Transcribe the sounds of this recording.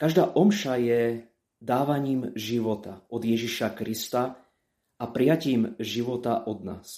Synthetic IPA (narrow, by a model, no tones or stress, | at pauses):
kaʒd̪aːʔɔmʃajɛ | d̪aːʋaɲiːmʒiʋɔt̪aɔd̪jɛʒiʃakɾist̪a | apɾɪjaciːmʒiʋɔt̪aʔɔd̪na̰ːs